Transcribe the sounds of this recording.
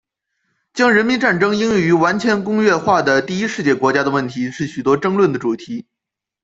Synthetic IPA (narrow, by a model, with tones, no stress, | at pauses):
t͡ɕjɑ˥ŋɻə˧˥nmi˧˥nʈ͡ʂa˥˩nʈ͡ʂɤ˥ŋi˥ŋ˥y˧˥wa˧˥nt͡ɕʰɥɛ˧˥nkʊ˥ŋɥɛ˥˧xwa˥˩d̪ə˩t̪i˥˩i˥ʂɻ̩˥˧t͡ɕjɛ˥˩kwɔ˧˥t͡ɕja˥d̪ə˧wə˥˩nt̪ʰi˧˥ʂɻ̩˥˩ɕy˨˩t̪wɔ˥ʈ͡ʂɤ˥ŋlwə˥˩nd̪ə˩ʈ͡ʂu˨˩t̪ʰi˧˥